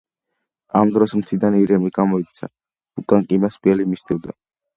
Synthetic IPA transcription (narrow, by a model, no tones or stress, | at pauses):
amd̪ɾɔsmt̪sʰid̪aniɾɛmliɡamɔikt̪sʰa̰ | ukʼaŋkʼimaspʼiɛlimisd̪ivd̪a